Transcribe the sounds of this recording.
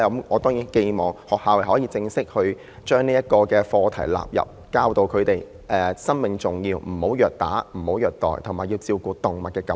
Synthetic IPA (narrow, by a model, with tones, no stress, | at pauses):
ɐ˨˦˥mɔː˨˧t̪ɔː˥ŋjiː˨˥nke˧jmɔː˨˩ŋhɔː˨k̚haː˨˧wlɐ˨˩hɔː˨˥jiː˧t͡sɪ˧ŋsɪ˥k̚hɵ˧ɥ | t͡ʃœː˥ŋniː˥jɐ˥t̚kɔː˧kɛː˧fɔː˧t̪ʰɐ˨˩jla̰ː˨p̚jɐ̰˨p̚kaː˧wt̪o˧wkʰɵ˨˧t̪e˨j | ʔɛ˨˧sɐ˥nmɪ˨˩ŋt͡sʊ˨˩ŋjiː˧wm̩˨˩ho˨˥wjœː˨k̚t̪a̰ː˨˥m̩˨˩ho˨˥wjœː˨k̚t̪ɔ̰ː˨˩jt̪ʰŋmaː˨ji˧wt͡siː˧wkuː˧t̪ʊ˨˩ŋmɐ˨˩t̚kɛː˧kɐ˨˦